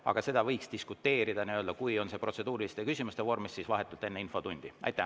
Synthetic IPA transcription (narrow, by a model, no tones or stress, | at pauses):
ɑ̰ɡ̥ɑse̞d̪ɑvɤjkst̪iskut̪ːe̞ːɾid̪ɑniø̞ːld̪ɑkujo̞nse̞pro̞tsed̪uːɾilist̪ekysʲimust̪e̞vo̞rmisːisvɑɦe̞t̪ːult̪ːˑe̞nːeinfo̞t̪unʲd̪̥iɑ̰jt̪ːˑæ